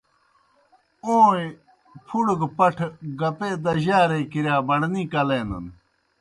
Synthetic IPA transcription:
õː | pʰuɽɡpɐʈʰɡɐpeːd̪ɐʑaːɾeːkiɾjaːbɐɳnĩːkɐleːnɐ̰n

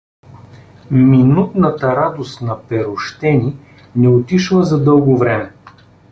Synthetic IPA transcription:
minut̪nɐt̪əɾad̪ost̪nɐpɛɾoʃt̪ɛni | nɛot̪iʃlˠəzɐd̪ɤlˠɡovɾɛmɛ

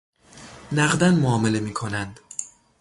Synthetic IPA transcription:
næɣd̪ænmoɒːme̞le̞miːkʰo̞nænd̪̥

